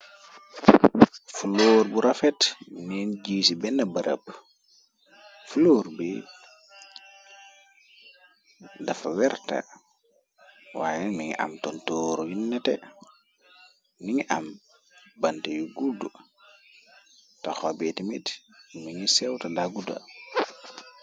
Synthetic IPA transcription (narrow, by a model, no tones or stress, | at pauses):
fuloːɾbuɾafɛtninɟiːsibɛnːɐbɐɾə̰p | fuloːɾbi | dafawɛɾta̰ | wa̰ːjɛmiŋḭʔa̰mtɔntɔːɾujinːɛtɛ | niŋiʔam | bantejuɡudu | tɔxɔbɛtimitmiŋisɛwtadaɡuda̰